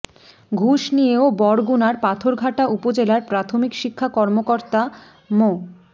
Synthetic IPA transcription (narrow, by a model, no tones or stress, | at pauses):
ɡʱuʃnijeobɔɽɡunaɾpat̪ʰoɾɡʱaʈaʔupod͡ʑelaɾpɾat̪ʰomikʃikʰːakɔɾmokoɾt̪a | mo